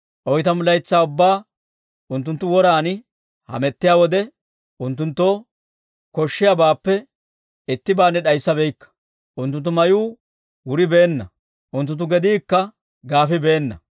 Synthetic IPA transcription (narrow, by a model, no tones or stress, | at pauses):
ʔɔjt̪ɐmʊlɐjt͡sːaːʊbːaː | ʔʊnt̪ːʊnt̪ːʊwɔɾaːnɪ | hɐ̰mɛt̪ːɪjaːwɔd̪ɛ | ʊnt̪ːʊnt̪ːoː | kɔʃːɪjabaːpːɛ | ɪt̪ːɪbaːnːɛɗɐjsːɐbɛjkːɐ̥ | ʔʊnt̪ʊnt̪̬ːʊmɐjuː | wʊɾɪbe̞ːnːɐ | ʔʊnt̪̬ːʊnt̪̬ːʊɡɛd̪iːkːɐ | ɡaːfɪbe̞ːnːɐ